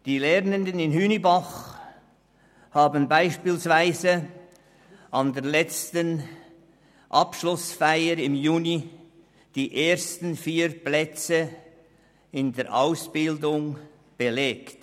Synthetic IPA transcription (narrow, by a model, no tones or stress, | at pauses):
d̥iːlɛʁnəndənɪnhyːnibaχ | haːbənbaɪʃpiːlsv̥aɪzə | ʔɑndeːɐlɛt͡stən | ʔɑpʃlʊsfaɪəɾɪmjuːni | d̥iːʔeːɾstn̩fiːɾplɛt͡sə | ɪndeːɐɾʔa̰ʊsb̥ɪldʊŋ | b̥əleːkt